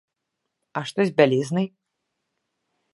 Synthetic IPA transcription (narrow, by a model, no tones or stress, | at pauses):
aʂt̪ɔzʲbʲalʲiznɨj